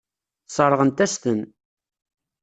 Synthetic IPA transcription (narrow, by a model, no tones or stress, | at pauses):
sˤəɾˤːəʁənt̪æst̪ən